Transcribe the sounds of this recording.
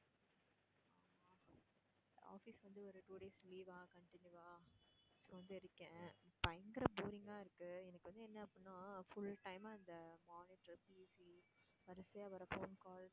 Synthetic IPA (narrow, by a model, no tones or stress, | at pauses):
a̰ːfisʋɐnd̪ɯɔɾɯʈuːɖeːsliːʋaːkɐɳʈɪnjuʋaː | soʋɐnd̪ɯɪɾɯkːɛ̃pɐjɐŋɡɪɾɐbuːɾɪŋɡaːɪɾɯkːɯɛnɐkːɯʋɐnd̪ɯɛnːɐːpːɪnːãːfʊlʈɐɪmaːɐnd̪ɐmaːniʈɐɾpiːsi | ʋɐɾɐsɐjaːʋɐɾɐfoːnkaːls